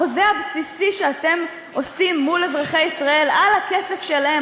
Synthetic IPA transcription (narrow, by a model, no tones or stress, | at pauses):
ozeabsisiʃeat̪e̞m | o̞simːulezʁaχejisʁae̞lalake̞se̞fʃe̞lahe